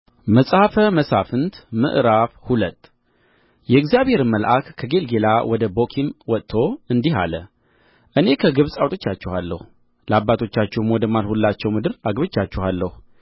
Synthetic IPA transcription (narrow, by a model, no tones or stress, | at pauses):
məsʼhafəməsafɨnt̪mɨ̰ʔɾafhulət̪ː | jɛɨɡzijaβhe̞ɾɨmːəlʔakkʰːəɡe̞lɡe̞lawʔɔd̪əbo̞kʰimwɔt̪t̪ʰːo̞ɨnd̪iɦa̰lə̰ | ʔɨne̞kʰəɡɨβsʼawt̪ʰʼot͡ʃːat͡ʃːɛhalːə̰hu | ləabːat̪ʰo̞t͡ʃːat͡ʃːɛhmwɔd̪əmalhulːat͡ʃːɛwmɨd̪ɨɾaɡβɨt͡ʃːat͡ʃːɛhalːəhu